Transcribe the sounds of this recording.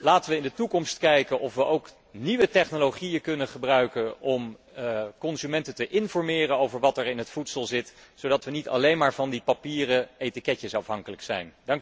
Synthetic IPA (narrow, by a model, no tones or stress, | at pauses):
laːtəʋəɪndətukɔmstkɛjkənʔɔfʋəʔowk | niʋətɛχnoloχijəkɵnəχəbrœɥkənʔɔm | kɔnzymɛntətəʔɪnvɔɹmɪːrənowvəɹʋɑtɛɹɪnɦətfutsəlˠzɪtsowdɑtʋənitɑ̰lejnmaːɹvɑndipapiːrəejtikɛcəsɑfɦɑŋkələksɛ̰jndɑŋk